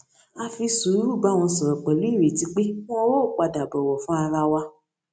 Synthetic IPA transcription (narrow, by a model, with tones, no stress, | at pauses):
a˧fi˧su˨˦ɾu˦˨ba˧˦w̃ɔ̃˧sɔ˨ɾɔ˨k͡pɛ˨lu˨˦i˦˨ɾe˨ti˧k͡pe˦w̃ɔ̃˦wo˦˨k͡pa˧da˨bɔ˨wɔ˨fũ˦a˧ɾa˧wa˧